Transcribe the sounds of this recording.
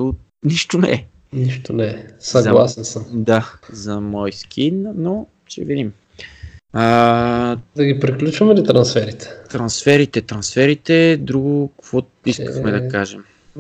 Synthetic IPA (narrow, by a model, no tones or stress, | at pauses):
o | niʃt̪onɛ̰ɛ | niʃt̪onɛɛsɐɡzɐlˠasɛnsəmd̪azɐmɔjskʰinno | ʃɛ̰vid̪im | ə | d̪ɐɡipɾiklʲut͡ʃvɐmɛlit̪ɾɐnsfɛɾit̪ɛ̥t̪ɾɐnsfɛɾit̪ɛt̪ɾɐnsfɛɾit̪ɛd̪ɾuɡʊkkvɔ | iskəxmɛd̪ɐkaʒɛm